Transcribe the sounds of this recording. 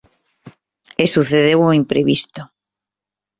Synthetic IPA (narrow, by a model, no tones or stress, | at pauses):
esuθeðewuimpɾeβist̪o